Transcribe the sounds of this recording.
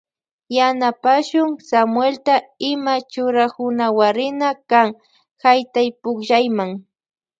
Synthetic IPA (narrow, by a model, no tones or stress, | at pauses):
janapaʃʊŋsamwelt̪aɪmat͡ʃʊɾakʊnawaɾɪnakaŋ | hajt̪ajpʊkʒajmaŋ